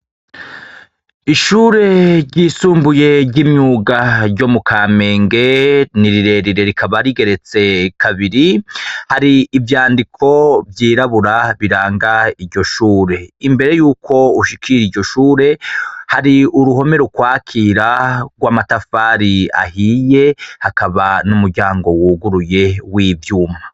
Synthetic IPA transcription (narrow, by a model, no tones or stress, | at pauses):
iʃuːɾe̞ɾɟiːsuːmbuje̞ɾɟimɲuːɡaɾɟo̞mukʰaːme̞ːŋɡe̞niɾiɾe̞ɾiɾe̞ɾikʰaβaɾiɡe̞ɾe̞t͡se̞kʰaβiɾihaɾiːvjaːndikʰo̞vjiːɾaβuɾaβiɾaːŋɡaiɾɟo̞ʃuːɾe̞imbe̞ɾe̞juːkʰo̞uʃikʰiɾiɾɟo̞ʃuːɾe̞haɾiuɾuho̞me̞ɾokwaːkʰiːɾaɡwaːmatafaːɾia̰hije̞hakaβanumuɾɟaːŋɡo̞wuɡuɾuje̞wivjuːma